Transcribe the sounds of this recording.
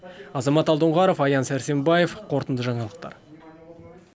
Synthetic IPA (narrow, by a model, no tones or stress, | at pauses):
ɑzɑmɑt̪ɑlˠd̪əɴʁɑɾofɑjɑnsæɾse̞mbɑje̞fqʰo̞ɾt̪ənd̪əʒɑɴɑlˠəq̚t̪ɑ̰ɾ